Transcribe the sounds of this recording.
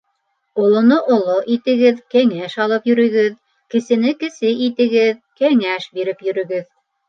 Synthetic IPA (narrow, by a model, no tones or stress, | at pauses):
ŏlˠŏnɤʔŏlˠoʔit̪ɘ̆ɡɘðkæŋæʃɑlˠɤpjɵ̆ɾɵ̆ɡɘð | kɘ̆sɘ̆nɘkɘ̆sɘʔit̪ɘ̆ɡɘðkæŋæʃbiɾɘpjɵ̆ɾɵ̆ɡɘð